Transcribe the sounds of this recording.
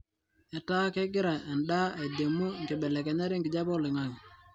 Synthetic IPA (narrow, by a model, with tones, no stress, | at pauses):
ɛ˨ta˦kɛ˦ɡɪ˦ɾa˨ʔɛ˨ndaː˦e˨de˨mu˦˨ŋɡɛ˨ɓɛ˨lɛ˨kɛ˨ɲa˦ɾɛ˦ŋɡɪ˨d͡ʒa˦bɔ˦lɪ˨ŋa˨j